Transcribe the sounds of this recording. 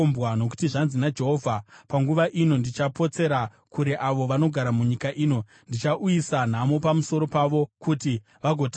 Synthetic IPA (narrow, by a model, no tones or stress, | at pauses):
mbwano̞k̬u̥tiʐanzinad͡ʒe̞ɦo̞ːvʱapaŋɡuʋaʔino̞ndit͡ʃapo̞t͡se̞ɾa | kuɾe̞ʔaʋo̞ʋano̞ɡʱaɾamuɲikaʔiːno̞ | ndit͡ʃaʔujisan̤amo̞pamuso̞ɾo̞paʋo̞kuti | ʋaɡʱo̞t